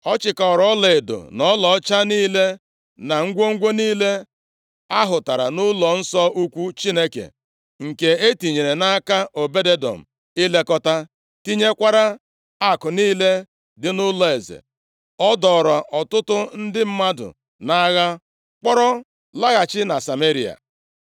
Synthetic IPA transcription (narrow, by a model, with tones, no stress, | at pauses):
ɔ˦t͡ʃɪ˨ka˨ɔ˨ɾɔ˦le˨e˨do̰˨nɔ˦lɔ˨ɔ˦t͡ʃa˦niː˦le˦ | na˨ŋ̩˦ɡʷo˦ŋ̩˦ɡʷo˦niː˦le˦ | a˦ɦʊ˨ta˨ɾa̰˨nʊ˦lɔ˨n̩˦sɔ˦ʔu˦kʷu˦t͡ʃi˦ne˦kḛ˨ | ŋ̩˨ke˨e˦ti˨ɲe˨ɾe˨na˦ka˦ʔo˨be˦de˦dɔ̰˨m̩˨ | i˦le˦kɔ˦ta˦ | ti˦ɲe˦kʷa˦ɾa˦ | a˦˨kʊ˨niː˦le˦ | dɪ˦nʊ˦lɔ˨e˨zḛ˨ | ɔ˦dɔ˨ɾɔ˨ʔɔ˨tʊ˦tʊ˦n̩˦dɪ˦m̩˦ma˦dʊ̰˨ | na˦ɣa˦ | k͡pɔ˦ɾɔ˦ | la˦ɣa˨t͡ʃɪ˦na˨sa˨me˦ɾi˨a̰˨